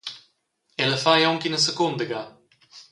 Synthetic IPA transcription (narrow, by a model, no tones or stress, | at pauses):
ɛləfajɔŋkinəsəkʊnd̪əɡa